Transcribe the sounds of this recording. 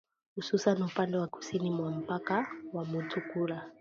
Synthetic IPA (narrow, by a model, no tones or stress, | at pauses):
hususanupandɛwaku̥sinimwam̩pakawamutʰukuɾa